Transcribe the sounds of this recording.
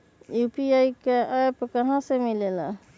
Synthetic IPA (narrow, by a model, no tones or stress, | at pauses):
jupiajkeʔajpkəɦãsemilela̰